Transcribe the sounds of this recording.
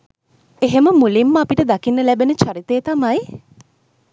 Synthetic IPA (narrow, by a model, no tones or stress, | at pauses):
eɦeməmulimːəapiʈəd̪akinːəlæbenət͡ʃaɾit̪eːt̪amɐj